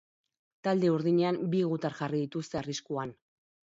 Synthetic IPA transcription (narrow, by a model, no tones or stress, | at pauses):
t̪ald̪e̞uɾðiɲe̞ambiɣut̪aɾʝariðit̪ust̪eariskuan